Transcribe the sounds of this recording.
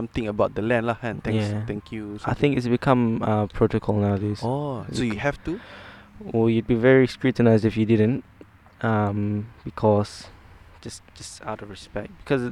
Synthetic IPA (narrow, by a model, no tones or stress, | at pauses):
sãmt̪ɪ̃ŋəbaʊt̚dəlɛ̃nlahɛ̃nt̪ɛ̃jɛt̪ɛ̃ŋkʰjusaɪθɪ̃ŋkɪtsbikʰãmʌpʰɹotokʰɔlnaʊdɪsɔojuhɛftu | wɛjud̚bivɛɹiskɹutənaɪzdɪfjudɪdə̃nt | ʌmbikʰɔsd͡ʒasd͡ʒastaʊtɔfɹispɛk̚t̚b̥ikʰɔs